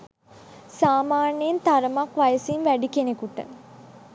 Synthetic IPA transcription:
saːmaːnejent̪aɾəmakʋajəsinʋæɖikenekuʈə̰

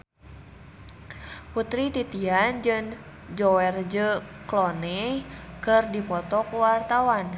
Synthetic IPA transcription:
put̪ɾit̪it̪iand͡ʒɨŋ | d͡ʒɔwɛrd͡ʒəklɔnɛkɨrdipɔt̪ɔkuwart̪awan

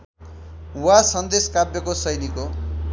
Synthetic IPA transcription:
wasʌnd̪eskabjʌkosʌjniko

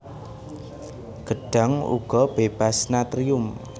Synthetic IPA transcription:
ɡ̥əɖ̥a̤ŋṵɡ̥ɔb̥eb̥asnat̪ɾiʊm

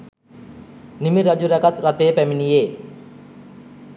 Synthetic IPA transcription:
nimiɾad͡ʒuɾɛkat̪ɾat̪eːpæminijeː

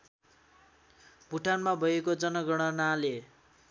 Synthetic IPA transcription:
bʱuʈʰanmabʱʌjekod͡zʌnʌɡʌɽ̃ʌnale

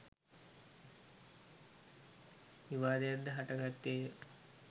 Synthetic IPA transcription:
iʋaːd̪ejad̪ːəɦaʈɐɡat̪ːe

